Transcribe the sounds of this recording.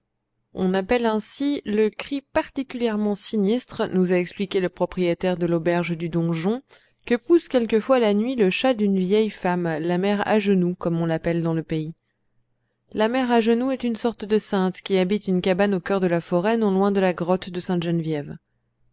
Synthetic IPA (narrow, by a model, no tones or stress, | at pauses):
ɔ̃napɛlɛ̃siləkχipaʁt̪ikʲyljɛʁmɑ̃sinist̪χənuzaɛksplikʲeləpχɔpχijet̪ɛʁd̪əlobɛʁʒd̪yd̪ɔ̃ʒɔ̃ | kəpuskʲɛlkəfwalanɥiləʃad̪ynvjɛjfamlamɛʁa̰ʒənukɔmɔ̃lapɛld̪ɑ̃ləpei | lamɛʁaʒənuɛt̪ynsɔʁt̪d̪əsɛ̃t̪kʲiabit̪ynkabanokʲœʁd̪əlafɔʁɛnɔ̃lwɛ̃d̪əlaɡʁɔt̪d̪əsɛ̃t̪ʒɛnvjɛv